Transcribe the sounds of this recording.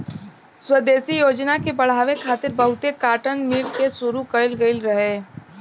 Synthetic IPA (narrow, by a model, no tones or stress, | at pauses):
swəd̪eːsijoːd͡ʒnakebɐɽ̤aːʋekʰaːt̪ɪɾbɐɦʊt̪ekaːʈənmilkesʊɾukəɪlɡəɪlɾɐɦeː